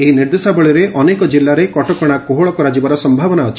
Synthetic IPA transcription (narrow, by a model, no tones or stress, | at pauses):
eɦiniɾd̪esabɔɭiɾeʔɔnekɔd͡ʒilːaɾekɔʈɔkɔɽ̃akoɦoɭɔkɔɾad͡ʒibaɾɔsɔmbʱabɔnaɔt͡ʃʰi̥